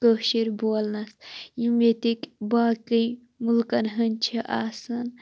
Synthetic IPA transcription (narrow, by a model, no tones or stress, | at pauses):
kəʃiɾboɐlnɐsjimet̪ikbaːkij | mulkɐnɦənt͡ʃʰiʔaːsɐn